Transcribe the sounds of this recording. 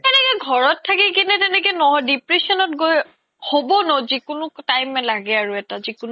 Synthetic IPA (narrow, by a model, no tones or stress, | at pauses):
tɛnɛkɛɡʱɔɹɔtʰːakik̬inɛtɛnɛk̬ɛnɔɔdipɹesɔnɔt̚ɡoj | hobɔnozikʊnʊtajmɛlaɡɛaɹuɛtazikʊn